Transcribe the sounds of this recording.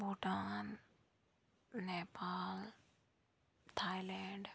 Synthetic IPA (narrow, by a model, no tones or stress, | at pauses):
buʈan | epaːl | t̪ʰajlɛɳɖ